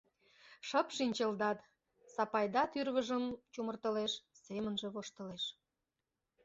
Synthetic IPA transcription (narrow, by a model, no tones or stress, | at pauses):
ʃəpʃinʲt͡ɕəld̪ɑt̪ | sɑpɑjd̪ɑt̪yrβəʒəmt͡ɕumərt̪ə̆leʃsemənʒĕβoʃt̪ə̆leʃ